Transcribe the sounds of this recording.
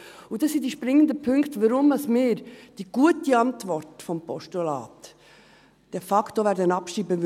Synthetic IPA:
udɑsidiʃpɾɪŋːəndəpʰʏŋkt̪ʋəɾʊmɑsmɪːɾd̥iɡ̥uətiɑntvɔrtfɔmpɔʃtulɑ̰ːt | d̥ɛfɑkʰtoʋæɾdənɑpʃɾiːbə

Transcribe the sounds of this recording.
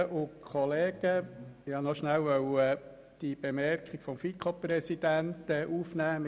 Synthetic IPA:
ʔʊkʰɔleːɡ̥əɑnɔʃnæwʋœwɛ | d̥ib̥emɛrkχiɡ̥fɔmfikʰoprɛsid̥̪ænt̪ɛʔufnæːm

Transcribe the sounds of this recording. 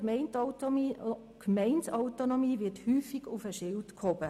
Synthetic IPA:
mɛɪntː | kmɛɪntɑʊtonomiːʋɪthyːfiɡufəʃɪltkʰhɔb̥ə

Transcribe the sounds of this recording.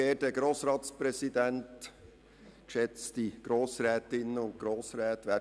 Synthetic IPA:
eːdəɡɾoːsɾɑːt̪spɾɛsidɛnt | kʃɛt͡sd̥iɡ̥ɾoːsɾɛːtɪnəʊnt̚ɡ̥ɾoːsɾɛːt̪ʋæ

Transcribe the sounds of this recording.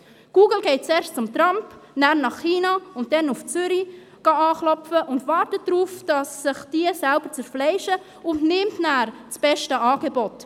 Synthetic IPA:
ɡ̥uːɡəl̩ɡɛɪt̚t͡sɛːɾʃtt͡sʊmt̪ɾɑmpnæːɾnɑχːiːnɑʊnt̚dɛnuft͡sʏɾi | ɡ̥ɑɑːχlɔfəʔʊndvɑːɾtət̚d̥ɾuːfd̥ɑsːɪχd̥iəsælbəɾt͡sɛɾflɛɪʃə | ʊntnɪmtnæːɾ | t͡sb̥ɛʃtəɑːɡebɔt

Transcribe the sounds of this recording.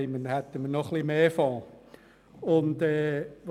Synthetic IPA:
ɪmənhæt̪ːəməɾnɔχlimeːfɔ̃ː | ʊnd̪ɛːʋ

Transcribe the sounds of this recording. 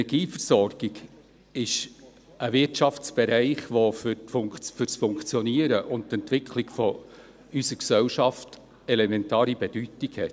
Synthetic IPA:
ɛɡ̥iːfərsɔrɡ̥iɡ | ɪʃ | əvɪtʃɑft͡sb̥ɛɾæɪχʋofʏfʊŋfʏɾsfʊŋkt͡sjɔniəɾəʔʊnttɛntʋɪkʰlikfɔ | ysəksɛwʃɑft | ɛlɛmɛntɑːɾibɛd̥ytiɡhɛt

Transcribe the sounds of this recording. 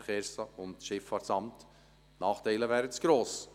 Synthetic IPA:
χɛːɾsəʊntʃɪfɑːtsɑmt | nɑːχtɛɪləvæːɾət͡sɡ̥ɾoːs

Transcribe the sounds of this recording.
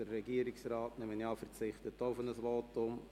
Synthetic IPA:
əɾːɛɡiəɾɪksrɑːtnɛmənjɑːfəɾt͡sɪχtətːoʊfənəsʋoːtʊm

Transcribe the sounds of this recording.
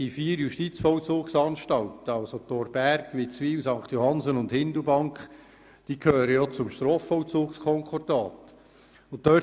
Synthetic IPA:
ifiːɾjuʃtit͡sfɔwt͡suːksɑnʃtɑltəɑwsot̪ɔːɾb̥ærɡ̥ʋit͡sʋiːwsɑŋkt̪johɑnzənʊndhɪndəbɑŋkχ | d̥iːkʰhøːɾəjɔt͡sʊmʃtɾoːfːɔwt͡suːkskʰɔŋkɔrdɑːt | ʊttœ

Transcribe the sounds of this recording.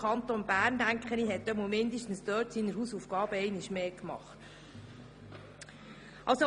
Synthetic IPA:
ɑnt̪onbæːrndæŋkχəniɦɛt̪̚dɛmumɪnd̪əʃtn̩sd̪œːtsiːnəɾhusufɡ̥ɑːbəɛɪnɪʃmeːkmɑ̰χt | ʔɑlso

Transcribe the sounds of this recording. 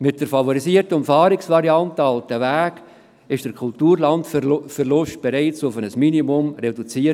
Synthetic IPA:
mɪt̚d̥əɾfɑvoɾisiəɾtəʊmfɑːɾɪksvɑɾiɑntəɑltəvæːɡ | ɪʃd̥əɾkʰʊltuːɾlɑntfəɾlʊʃtb̥ɛɾɛɪt͡sʊfənəsminimʊmredut͡siːəɾ

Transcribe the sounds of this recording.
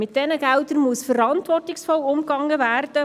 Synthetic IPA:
mɪt̚d̥ɛnəɡældəɾmuəsfəɾɑntʋɔrtɪksfɔlʊmɡɑŋːəvæːrd̥ə

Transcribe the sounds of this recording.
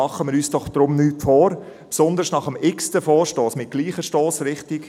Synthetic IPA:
ɑχːəmɪɾyːsd̥ɔχd̥̪ɾʊmnyːtfɔːɾ | psɔnd̪əɾsnɑχəmɪkstəfɔːʃtɔːsmɪt̚ɡ̥liːχəʃtoːsɾɪχtɪk

